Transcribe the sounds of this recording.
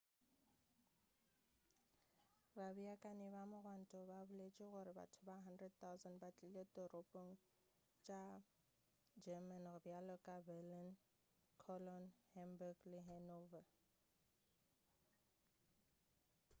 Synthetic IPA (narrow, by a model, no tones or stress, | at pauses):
babiakʼanɪbamʊrwan̩tʼɔbabʊlet͡ʃʼɪɣʊɾɪba̰tʰʊbaɦandrɛd̚t̪aʊzandbat͡ɬʼilet̪ʼɔrʔopʼoŋ̩ | t͡ʃʼa | d͡ʒɛmanɣʊbjalɔkʼabɛlin | kʰɔlɔnhɛmbaɡlɪɦɛnova